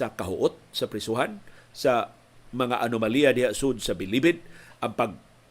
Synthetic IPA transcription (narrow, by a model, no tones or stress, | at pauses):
sakaɦʊ̰ʔʊt̪̚sapɾɪsuɦansa | maŋaʔanʊmaliadɪhaʔsʊd̪sabɪlibɪd̪̚ʔaŋpaɡ̚